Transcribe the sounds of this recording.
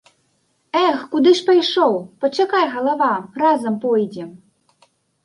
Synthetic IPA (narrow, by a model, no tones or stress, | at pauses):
ɛxkud̪ɨʂpɐjʂɔwpɐt͡ʂakajɣɐlˠavarazɐmpɔjd͡zʲɛ